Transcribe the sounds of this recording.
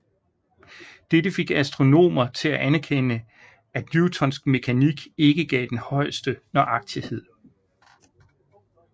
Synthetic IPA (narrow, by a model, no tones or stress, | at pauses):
d̥edəfe̝ɡ̥æsd̥ʁo̝no̝̰ːmɐt͡sʰe̝læʔænæɐkʰenə | æd̥njut͡sʰɒ̽nsɡ̥me̝kʰæniɡ̥e̝ɡ̥əɡ̥ɛ̰ːd̥enhɒ̽ɪ̰sd̥ənɒʔɑ̈ɡ̥̚t͡sʰihe̝ð̰ˠ